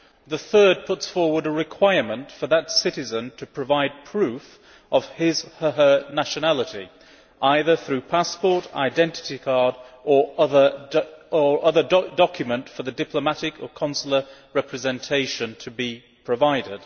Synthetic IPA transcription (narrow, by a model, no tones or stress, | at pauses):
ðəθɜ˞d̚pʰʊtsfɔɹwə˞ɾəɹɨkʰw̥aɪə˞mə̃ntfə˞ðətsɪɾɨzə̃ntʰɨpʰɹ̥ɨvaɪd̚pʰɹ̥ʉf | ʔʌv̥ɪz̥həənæʃɨnælˠəɾḭ | ʔaɪðə˞θɹʉpʰaspɔɹɾa̰ɪdɛ̃ntɨ̥ɾikʰɑɹdə˞ʌðə˞ə˞ʔʌðə˞ddɑkʰjɨmə̃ntfə˞ðɨdɪpʰləmaɾɪkʰə˞kʰɑ̃nsl̩ˠə˞ɹɛpʰɹɨzɛ̃ntʰeɪʃɨ̃ntʰɨbi | pʰɹ̥ɨvaɪɾɪd̥